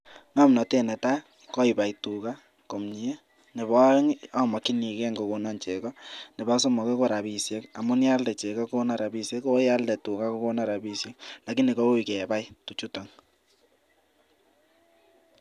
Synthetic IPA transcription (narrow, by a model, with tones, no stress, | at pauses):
ŋa˦mnɔ˨te˦nɛ˨ta˦ | kɔ˦iba˨itu˨ka˦ | ko˨mɲi˨e˦ | ne˨bɔ˦ŋɔ˦mɔ˨ki˦ni˨kɛ˦ŋɡo˨ko˨nɔ˦˨nt͡ʃe˨kɔ˦nɪ˨ba˦so˦mɔ˨kɛ˦ko˦ɾa˨pi˨sjɛ˦ka̰˨mʊ˦nja˦ldɛ˨t͡ʃe˨kɔ˦ko˦na˨ɾa˨bi˨sjɛ˦ko˦ja˦ldɛ˨tu˨ka˦ko˦ko˦na˨ɾa˨bi˦sje˦k̚la˨ki˦ni˨ko˦u˦˨kɛ˨ba˦jtu˨t͡ʃu˦tɔ˨ŋ